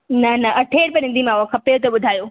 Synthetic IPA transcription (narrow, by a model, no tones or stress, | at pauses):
nɐnɐʔɐʈʰeːɽpɐnɪ̃nd̪imãːakʰɐpet̪oɓʊd̪ʱaːjoː